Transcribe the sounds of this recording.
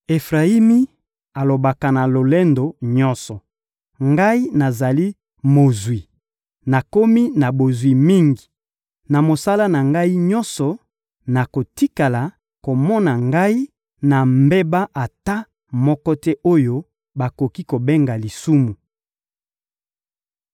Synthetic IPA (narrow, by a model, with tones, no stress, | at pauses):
e˨fʁa˨i˦mi˦ | a˨lo˨ba˨ka˨na˨lo˨le˦ndo˨ɲɔ̃˦nsɔ˨ | ŋɡa˦i˦na˨za˨li˦ | mo˨zwi˨ | na˨ko˦mi˦na˨bo˨zwi˨mi˦ŋɡi˨ | na˨mo˨sa˦la˦na˨ŋɡa˦i˦ɲɔ̃˦nsɔ˨ | na˨ko˨ti˦ka˨la˨ | ko˨mɔ˦na˨ŋɡa˦i˦ | na˨mbe˦ba˦ʔa˨ta˦ | mɔ˦kɔ˦tɛ˦ʔo˦jo˦ | ba˨ko˨ki˦ko˨be˦ŋɡa˨li˨su˦mu˨